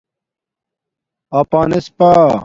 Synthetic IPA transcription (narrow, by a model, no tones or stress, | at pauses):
ɐːpaːnespa